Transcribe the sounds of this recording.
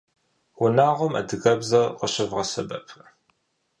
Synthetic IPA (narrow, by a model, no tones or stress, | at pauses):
wʊnaːʁʷʊmɐ̰dɨɣɐbzɐqəɕɪvʁɐsɐ̰bɐ̰pʰ